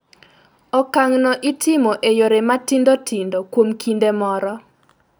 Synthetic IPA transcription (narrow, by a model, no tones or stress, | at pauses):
ɔkaŋnɔʔitʰɪmoʔejoɾematindotʰindokwomkʰindemɔɾɔ